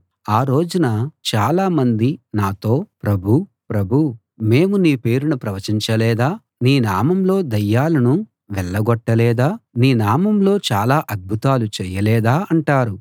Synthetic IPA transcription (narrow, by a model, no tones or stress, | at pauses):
aːɾo̞ːd͡ʒunɐt͡ʃaːlaːmɐnd̪inaːt̪o̞ːpɾɐbʱu | pɾɐbʱu | me̞ːmuniːpe̞ːɾunɐpɾɐʋɐt͡ʃiɲt͡ʃɐlɛːd̪aː | niːnaːmɐmlo̞ːd̪ɐjːaːlɐnu | ʋɛɭːɐɡɔʈːɐlɛːd̪aːniːnaːmɐmlo̞ːt͡ʃaːlaːʔɐd̪̚bʱut̪aːlut͡ʃɛːjɐlɛːd̪aːɐɳʈaːɾu